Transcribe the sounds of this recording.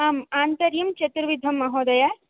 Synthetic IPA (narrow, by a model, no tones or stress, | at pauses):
aːmaːnt̪ɐɾjɐmt͡ʃɐt̪ɾɐʋid̪ʱɐmːɐɦoːd̪ɐja